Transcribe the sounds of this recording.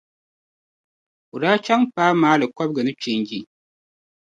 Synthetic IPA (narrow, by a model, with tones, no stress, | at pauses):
ʊ˨ɾaː˦t͡ʃa˦ŋpaː˦maː˨˦lɨ˨kɔ˦b̚ɡɨ˨nɨ˦t͡ʃɪ˨nɡi˦˨